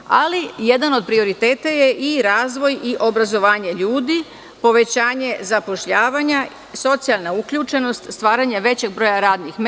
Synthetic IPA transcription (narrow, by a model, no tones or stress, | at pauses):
alije̞d̪ano̞d̪̚pɾio̞ɾit̪eːt̪aje̞ʔiɾaːzʋo̞jiʔo̞bɾazo̞ʋaːɲe̞ʎuːd̪i | po̞ʋe̞t͡ɕaːɲe̞zapo̞ʃʎaːʋaɲa | so̞t̪sialˠnaukʎuːt͡ʃe̞no̞st̪st̪ʋaːɾaɲaʋe̞t͡ɕe̞ɡ̚bɾo̞jaɾaːd̪nixm